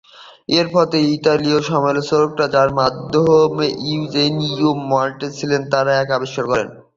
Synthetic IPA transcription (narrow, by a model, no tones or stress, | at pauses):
eɾfɔt̪eit̪alioʃɔmoelsoɾok̚ɾad͡ʑaɾmad̪ʱomeʔiud͡ʑenijomːaɾʈet͡ɕʰilent̪aɾaɛkabeʃːoɾkɔɾen